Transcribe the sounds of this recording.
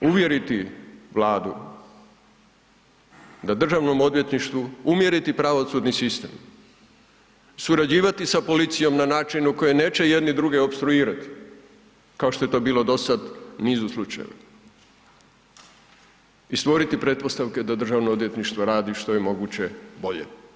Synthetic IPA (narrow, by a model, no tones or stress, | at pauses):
uʋje̞ɾit̪iʋlˠaːd̪u | d̪ad̪r̩ʒaʋno̞mo̞d̪ʋje̞t̪niʃt̪ʋuumje̞ɾit̪ipɾaʋo̞sud̪nisist̪e̞̰m | suɾad͡ʑiːʋat̪isapo̞lit̪sijo̞mnanaːt͡ʃinuko̞jene̞ːt͡ʃe̞je̞d̪nid̪ɾuɡeopst̪ɾuiːɾat̪i̥ | kaoʃt̪o̞jet̪o̞biːlˠo̞d̪o̞sad̪niːzuslˠut͡ʃa̰jḛʋa̰ | ist̪ʋo̞ɾit̪ipɾe̞t̪̚po̞st̪aʋke̞d̪ad̪rʒaʋnood̪je̞t̪niʃt̪ʋoɾaːd̪iʃt̪o̞jemo̞ɡut͡ɕe̞bo̞ʎḛ